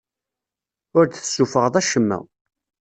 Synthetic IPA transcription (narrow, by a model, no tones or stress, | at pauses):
ʊɾθθə̥sːufəʁðˤæʃəmːæ̰